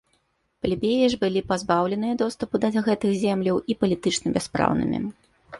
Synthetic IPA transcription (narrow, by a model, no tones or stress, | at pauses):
pɐlʲibʲejɛʐbɨlʲipazbawlʲɛn̪ɨjɐd̪ɔst̪ɐpud̪ɐɐɣɛt̪ɨxzʲɛmlʲɐwipɐlʲit̪ɨt͡ʂnɐbʲɛaspɾa̰wnɨ̰mʲḭ